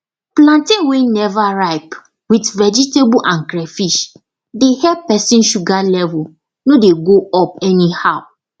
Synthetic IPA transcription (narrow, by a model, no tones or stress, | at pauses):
plãntĩwenɛvaɹaɪp | witvɛd͡ʒitebuʔãnkɾɛfiʃ | dehɛpɛsĩnʃuɡalɛvʊ | nodeɡoɔpɛnihaʊ